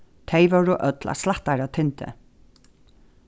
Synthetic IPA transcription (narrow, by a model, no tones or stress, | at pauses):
t̪ʰeɪʋɔɹɔʔœt̪lʔa̰slaht̪aɾat̪ʰɪnt̪ə̰